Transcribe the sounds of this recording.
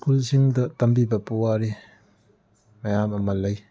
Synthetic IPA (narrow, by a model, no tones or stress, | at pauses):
skulsiŋdɐtɐmbibɐpuwaɾi | mɐjamɐmɐlɐj